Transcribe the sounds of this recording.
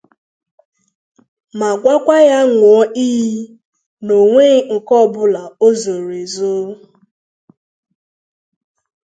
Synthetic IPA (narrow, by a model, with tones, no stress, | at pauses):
ma˨ɡʷa˦kʷa˦ja˦ŋʷʊ˨ɔ˦ʔi˦ɦi˦ | no˨ŋʷe˦ŋ̩˨kɔ˦˨bʊ˦la˨o˦zo˨ɾe˨zo˦